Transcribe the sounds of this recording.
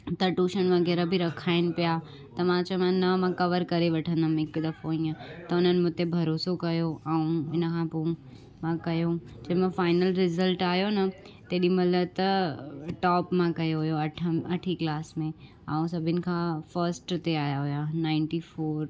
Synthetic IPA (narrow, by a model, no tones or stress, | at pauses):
t̪ɐʈuːʃənʋɐɣɛːɾabʱiɾɐkʰaːɪnɪ̆pɪja | t̪ɐmãt͡ɕɐmãnɐmãkɐʋəɾkɐɾeʋɐʈʰə̃nd̪ɐmɪkd̪ɐfoĩə̃t̪ɐʊn̤ənɪ̆mʊ̃t̪ebʱɐɾoːsokɐjoaũɪnəkʰãːpoũ | mãkɐjo | d͡ʑɐɦmãfaːɪnəlɾɪzəlʈaːɦjonɐ | t̪eːɗimɐlət̪ɐʈɔːpmãkɐjoɦʊjoɐʈʰɐʈʰiklaːsmẽ | aːũsɐbʱɪnɪ̆kʰãːfɐɾsʈt̪eaːjaɦʊjanaːɪ̃ɳʈifoːɾ